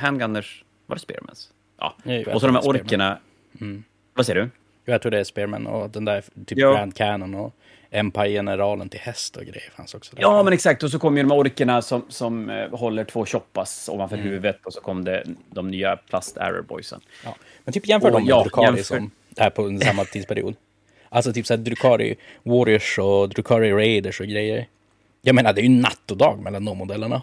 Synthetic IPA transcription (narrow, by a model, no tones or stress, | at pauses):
hɛnɡand̪əʂ | va̰ɾɛspḛːɾmɛ̰ns | jʔɑ̰ɔsɔaɖ̪ɔmæ̰ʔɔɾkəɳa | m̩ː | vaseːɖɵ | juːjat̪ʰɾuːɖɛspeːɾmɛ̰nːɔ̰d̪ɛnd̪æːɾt̪ʰyːɾand̪̚kʰæːnɔnɔ | ɛmpajɛnəɾɑːlənt̪ʰɪlhɛst̪ɔ̰ɡɾɛ̰jːəɾfa̰nsɔksɔd̪ɛɑːmɛnɛksak̚t̪ɔs̬ɔkʰɔmːəjəd̪ɔmhæɔɾkəɳasɔmsɔmɦɔlːəʈʰvoːɕɔpːasɔ̰manfɔɾhʉ̟ːvət̪ɔsɔkʰɔmːd̪ɛd̪ɔmnyːapʰlast̪ʰæ̰ɾə̰bɔ̰jsə̰n | jɑ̰ː | mɛnt̪ʰyːpjɛnffœːɖɔmd̪ɾʉkʰɑːɪsɔm | æpʰɔnəsamːat̪ʰiːd̪spʰæɾɪ̰ṵːd̪ | ʔalsɔt̪ʰyːpsæhæːd̪ɾʉkʰɑːɾɪ̰wɔɾɪəʂɔd̪ɾʉkʰɑːɾɪɾeɪd̪əʂɔɡɾɛjːəɾ | jɑɡmeːnad̪ɛæɾjnːat̪ːɔd̪ɑ̰ːɡmɛlːand̪ɔmːʊd̪ɛlːəɳa